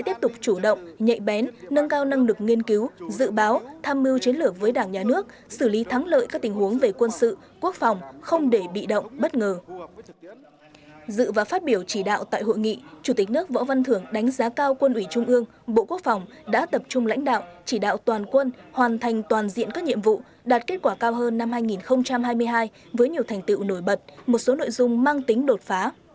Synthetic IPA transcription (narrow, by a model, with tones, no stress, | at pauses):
t̪i˦˥p̚t̪ʊ˨˩k͡p̚t͡ɕu˧˩ɗə̰˧˨wŋ͡mɲə̰˧˨jɓɛ˨˦nːə˧nkaː˧wna˧ŋlɨ˨˩k̚ŋi˧ənki˨˦wzɨ̰˧˨ɓaː˨˦wt̪ʰaː˧mːi˧wt͡ɕwi˨˦ənlɨ˨˩ək̚vəː˨˦jɗaː˧˩ŋɲaː˨˩nɨ˦˥ək̚ | sɨ˧˩li˨˦t̪ʰa˨˦ŋlə̰ː˧˨jkaː˦˥k̚t̪ï˨˩ŋ̟hu˨˦əŋve˨˩kwə˧nsɨ̰˧˨ | ku˦˥ək̚fɑ˨˩wŋ͡mxə˧wŋ͡mɗe˧˩ɓḭ˧˨ɗə̰˧˨wŋ͡mɓə˦˥t̚ŋəː˨˩ | zɨ̰˧˨vaː˨˩faː˦˥t̚ɓi˧˩əwt͡ɕi˧˩ɗa̰ː˧˨wt̪a̰ː˧˨jɦo̰˧˨jŋḭ˧˨t͡ɕu˧˩t̪i˨˩k̟̚nɨ˦˥ək̚vɔ̰˧˥va˧nt̪ʰɨ˧˩əŋɗa˨˦jŋ̟zaː˨˦kaː˧wkwə˧nʔwi˧˩t͡ɕʊ˧ŋ͡mʔɨ˧əŋ | ɓo̰˧˨ku˦˥ək̚fa˨˩wŋ͡m | ɗa̰ː˧˥t̪ə˨˩p̚t͡ɕʊ˧ŋ͡mla̰˧˥jŋ̟ɗa̰ː˧˨wt͡ɕi˧˩ɗa̰ː˧˨wt̪waː˨˩nkwə˧nhwaː˨˩nt̪ʰa˨˩ŋ̟t̪waː˨˩nzḭ˧˨ənkaː˦˥k̚ɲḭ˧˨əmvṵ˧˨ | ɗaː˨˩t̚ke˦˥t̚kwaː˧˩kaː˧wɦəː˧nːa˧mhaː˧jŋi˨˩nxə˧wŋ͡mt͡ɕa˧mhaː˧jmɨ˧əjɦaː˧j | vəː˨˦jɲi˨˩əwt̪ʰɛ˨˩ŋ̟t̪ɨ̰˧˨wno˧˩jɓə˨˩t̚mo˨˩t̚so˨˦no̰˧˨jzʊ˧ŋ͡mmaː˧ŋt̪ï˨˦ŋ̟ɗo˨˩t̚faː˨˦